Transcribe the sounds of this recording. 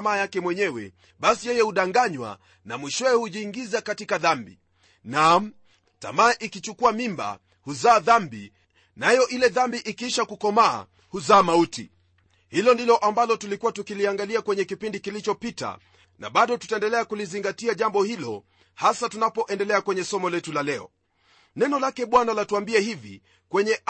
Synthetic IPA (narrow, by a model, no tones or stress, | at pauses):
maːjakɛmwɛɲɛwɛ̰ | ɓasijɛjɛhuɗaŋɡaɲwa̰ | namwiʃɔɛɛhuʄiːŋɡizakatikaðambḭ | nam | ta̰maːʔikit͡ʃukuamimba̰ | huzaːðambi | najɔʔilɛðambiʔikiʃakukɔma̰ː | huzaːmautḭ | hilɔndilɔʔambalɔtulikuwatukiliaŋɡaliakwɛɲɛkipindikilit͡ʃɔpita̰ | na̰ɓaɗɔtu̥taɛndɛlɛakuliziŋɡatiaʄambɔhilɔ | hasatunapɔʔɛndɛlɛakwɛɲɛsɔmɔlɛtulalɛɔ | nɛnɔlakɛɓwanalatuambiɛhivḭ | kwɛɲɛ